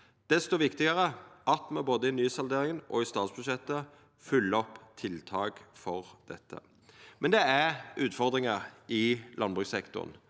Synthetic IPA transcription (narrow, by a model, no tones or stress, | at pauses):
d̪̥ɛst̪oːʋɪkt̪ɪɡəʁəɑt̪mɛboːd̪əɪnyːsɑld̪eːʁɪŋənʔɔ̰ɪst̪ɑːt̪sbʉʃɛt̪ːə | fʉlːəɔpːt̪ʰɪlt̪ʰɑːɡfɔʁd̪̥ɛt̪ʰːə̰ | mɛnd̪ɛæʁʉːt̪fɔʁd̪ʁɪŋəʁʔɪlɑnbʁʉksɛkt̪ʊ̰ʁn